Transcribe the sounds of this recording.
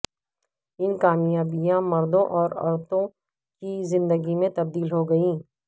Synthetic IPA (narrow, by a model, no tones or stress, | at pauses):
ɪnkaːmijaːbijãmɐɾd̪õʔɔːɾɐ̰ɾt̪õ | kizɪ̃nd̪əɡimẽt̪ɐb̚d̪iːlɦoɡɐiː